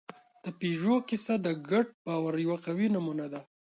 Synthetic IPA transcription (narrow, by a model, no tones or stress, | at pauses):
d̪̥əpeʒokisad̪əɡaʈ̚bɑwaɾjawaqawinamunad̪a